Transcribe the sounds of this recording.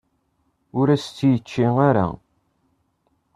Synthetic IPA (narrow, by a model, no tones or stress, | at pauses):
ʊɾæst͡sːjət͡ʃːiŋaɾa̰